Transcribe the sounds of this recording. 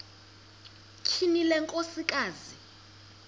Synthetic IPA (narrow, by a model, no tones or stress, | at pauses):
kʰinilɛŋkʼosikʼaːzi